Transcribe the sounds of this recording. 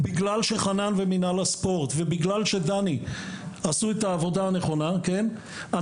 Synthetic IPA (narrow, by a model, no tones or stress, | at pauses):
biɡlalʃe̞χananveminalaspo̞ʁt̪vebiɡlalʃe̞d̪aniasuet̪aːvo̞daaneχo̞nake̞n | a